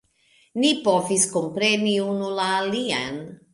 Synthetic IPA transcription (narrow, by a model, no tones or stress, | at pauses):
nipoviskompɾe̞niunulaːlia̰n